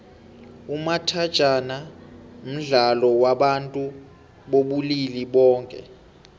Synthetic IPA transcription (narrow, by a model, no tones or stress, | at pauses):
umatʰad̥ʒ̥ʱanam̩ɮalɔwaɓantʼu | ɓoɓuliliɓɔːŋkʼɛ̰